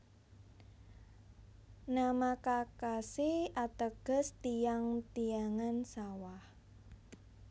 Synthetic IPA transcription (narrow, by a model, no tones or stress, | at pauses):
namakakasiat̪əɡ̥ə̤st̪ijaŋt̪ijaŋansawah